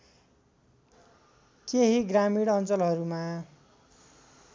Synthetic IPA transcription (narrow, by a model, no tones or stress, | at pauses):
keɦiɡramiɽʌnt͡sʌlɦʌɾuma